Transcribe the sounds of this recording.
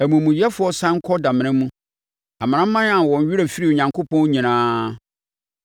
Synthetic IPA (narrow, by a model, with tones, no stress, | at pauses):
æ˨mũ˨mũ˨jɛ˦fʊ˨˦ɔ˦sã˦ŋ̩˦kʰɔ˦da˨mɪ̃˨nɪ̃˦mũ˦ | a˨m̃˨nã˦m̩˦mã˦n˦ã˨wɔ̃˨ɲ̩˨˦ɥi˦ɾæ˨fi˦ɾi˦˨o˨ɲã˨ŋkʰo˦pʰɔ̃˦n˦ɲĩ˨nãː˦